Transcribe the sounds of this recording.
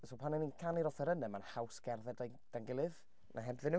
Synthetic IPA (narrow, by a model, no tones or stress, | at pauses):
sopʰanɛninkʰaniɾɔθɛɾənɛmanhawsɡ̥ɛrðɛda | d̥anɡɪlˠɨð | nʔa̰ɦɛbðɪnu